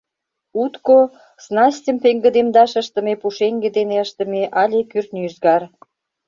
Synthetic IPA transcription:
ut̪ko | snɑstʲəmpeŋɡə̆d̪emd̪ɑʃəʃt̪ə̆mepuʃeŋɡed̪eneəʃt̪ə̆meʔɑlʲekyrt̪nyzɡɑr

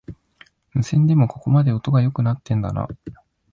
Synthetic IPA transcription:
mɯ̟sẽ̞nd̪e̞mo̞ko̞ko̞mad̪e̞o̞t̪o̞ɡajo̞kɯ̟nat̪ːẽ̞nd̪a̰na̰

